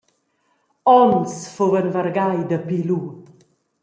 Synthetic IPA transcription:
ɔnsfovənvəɾɡajd̪əpilu

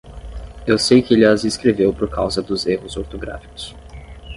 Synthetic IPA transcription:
ewsejkɪelɪɐzeskɾevewpoɾkawzɐd̪ʊzeɦʊzoɾt̪oɡɾa̰fi̥kʊ̥s

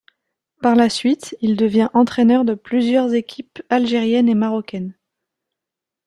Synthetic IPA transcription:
paʁlasɥit̪ild̪əvjɛ̃ʔɑ̃t̪χɛnœʁd̪əplyzjœʁzekʲʰipalʒeʁjɛnemaʁɔkʲɛn

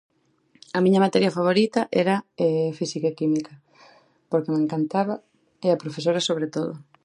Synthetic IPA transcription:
ɐmiɲɐmat̪ɛɾjɐfaβ̞oɾit̪ɐʔɛɾɐɛfisikaekimikɐ | poɾkemeŋkant̪aβɐ | eapɾofesoɾɐsoβ̞ɾet̪oðʊ̰

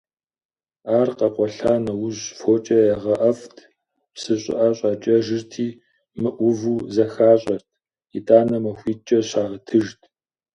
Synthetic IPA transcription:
aːrqɐqʷɔɬaːnɐwʊʑfoːt͡ʃʼɐjaʁɐʔɐftʰ | psɨɕʼɪ̰ʔɐɕʼɑːt͡ʃʼɐʒɨrtʰiː | mɨʔʷʊvuːzɐxaːɕʼɐrtʰ | itʼaːnɐmɐxʷiːt͡ʃʼɐɕaːʁətʰɨʒtʰ

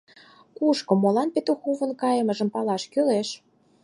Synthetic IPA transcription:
kuʃkŏmːolɑnpet̪oxuβə̆nkɑjəmə̆ʒə̆mpɑlɑʃkøleʃ

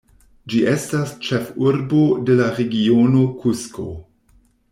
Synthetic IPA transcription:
d͡ʒiʔestast͡ʃefuɾbo̞de̞laɾeɡiono̞kʰusko̰

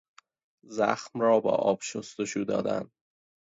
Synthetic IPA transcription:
zæ̰xmrɒːbɒ̰ːʔɒːb̥ʃost̪oʃuːd̪ɒ̰ːd̪æ̰n

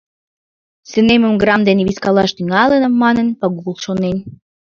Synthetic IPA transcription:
sə̆nemə̆mɡrɑmd̪eneβiskɑlɑʃt̪yŋɑlə̆nə̆mːɑnə̆npɑɣulˠʃonen

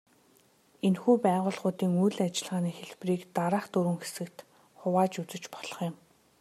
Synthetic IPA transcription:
enxuːpæːʁʊːɮχʊːt̪iːŋujɮat͡ɕɪ̆ɮʁaːniːxeɮpriːkt̪aɾaːχt̪ɵɾwɘ̆ŋxe̥sɘ̆kt̪ | χʊwaːt͡ɕut͡sɘ̆t͡ɕpɔ̥ɮ̥ɞ̆χjɪ̆m

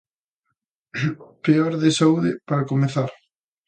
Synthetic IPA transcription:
peɔɾðesauðɪpaɾakomeθaɾ

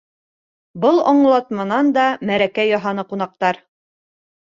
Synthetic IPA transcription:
bɤlˠɒɴlˠɑt̪mɑnɑnd̪ɑmæɾækæjɒɦɑnɤqun̪ɑq̚t̪ɑɾ

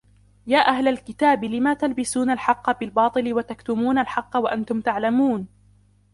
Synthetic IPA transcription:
jaːʔahlalkɪt̪aːbɪlɪmaːt̪albɪsuːnalħɑqːɑbɪlbɑːt̪ˤɨlɪwat̪akt̪ʊmuːnalħɑqːɑwaʔant̪ʊmt̪aʕlamuːn

